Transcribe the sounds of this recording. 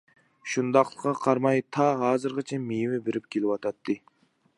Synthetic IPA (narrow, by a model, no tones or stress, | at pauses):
ʃund̪ɑqlˠəqːɑqʰɑɾmɑjt̪ʰɑɦɑːzɨɾʁɨt͡ʃʰɛmejmɪbeɾʔɪp̚kʲʰelɪwɑt̪ʰɑt̪ʰːɨ